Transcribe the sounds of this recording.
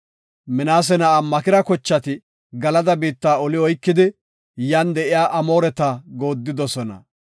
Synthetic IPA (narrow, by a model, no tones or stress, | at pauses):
mɪnaːs̬ɛnɐːmːɐkɪɾɐkɔt͡ʃːɐt̪ɪ | ɡɐlɐd̪ɐbiːt̪ːaːɔlɪɔjkːɪd̪ɪ | jɐnd̪ɛʔɪjaːʔɐmo̞ːɾɛt̪aɡo̞ːd̪ːɪd̪ɔsɔnɐ̰